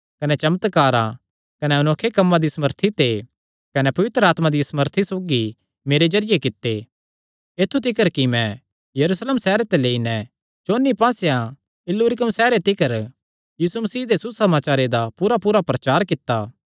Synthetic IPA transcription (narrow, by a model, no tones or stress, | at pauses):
kɐnɛt͡ʃɐmət̪kaːɾã̰ | kɐnɛʊnoːkʰːekɐmːãd̪isɐməɾt̪ʰit̪e | kɐnɛpɐʋɪt̪ɾəaːt̪mãd̪isɐməɾt̪ʰisoːɡi | meːɾed͡ʒɐɾɪjekɪt̪ːe | eːt̪ʰːut̪ɪkəɾkimɛ̃ | jɐɾusleːmsɛːɾet̪eleːinɛ̃ | t͡ʃoːnːipãːsjã | ɪlːuːɾɪkəmsɛːɾet̪ɪkəɾ | jiːsumɐsiːd̪esusɐmaːt͡ʃaːɾed̪apuːɾapuːɾapɾɐt͡ʃaːɾkɪt̪ːa